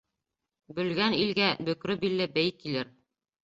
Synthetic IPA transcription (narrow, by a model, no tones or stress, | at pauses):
bɵ̆lɡænilɡæbɵ̆kɾɵbilːɘbæjkilɘɾ